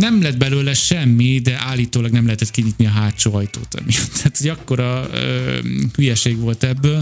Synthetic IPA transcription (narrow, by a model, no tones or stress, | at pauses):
nɛmlɛd̪̚bɛløːlɛʃɛmːid̪ɛʔaːlːiːt̪oːlɒɡnɛmlɛɦɛt̪ɛt̪kiɲiːt̪niɒɦaːt͡ʃoːɒjt̪o̰ːt̪ɒ̰mijɒt̪ʰːaːt̪hoɟɒkːo̞ɾɒø̰ːhyjɛʃeːɡʋo̞lt̪ɛbːøːl